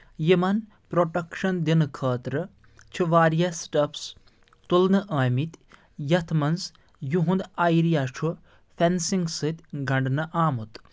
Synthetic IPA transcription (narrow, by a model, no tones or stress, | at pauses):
jimɐn | pɾoʈɐkʂɐnd̪inɨkʰɐːt̪ɾɨ | t͡ʃʰuʋaːɾjɐsʈɐps | t̪ulnɨʔaːmit̪ʲ | jɐt̪ʰmɐns | juɦũnd̪ajɾijat͡ʃʰu | fʰʲensiŋɡsɨt̪ʲɡɐɳɖnɨʔaːmut̪